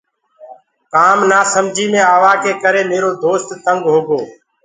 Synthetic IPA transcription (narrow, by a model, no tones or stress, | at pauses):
kaːmnaːsəmd͡ʒʱiːmẽːaːʋaːkeːkəɾeːmeːɾoːd̪oːst̪ːəŋɡɦoːɡoː